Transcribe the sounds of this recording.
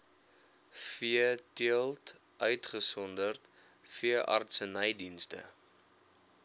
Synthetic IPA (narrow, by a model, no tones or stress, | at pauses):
fiətiəlˠt | ʔœɥtχəsɔndərt | fiəʔɐ̰rtsənəjdinstə̰